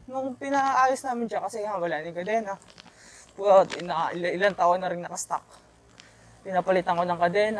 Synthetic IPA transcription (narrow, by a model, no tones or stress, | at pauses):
nʊŋpɪnɐʔaːjʊsnaːmɪnʃakɐsɛŋɐbɐlaːʔnɪŋkɐd̪ɛːnɐ | pt̪naɪlɪlant̪aːwhonːɐɾɪŋnɐkɐst̪a̰k̚ | pɪnɐpɐlɪt̪ɐŋkonɐŋkɐd̪ɛna